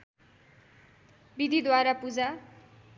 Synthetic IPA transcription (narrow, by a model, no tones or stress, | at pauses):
bid̪ʱid̪waɾapud͡za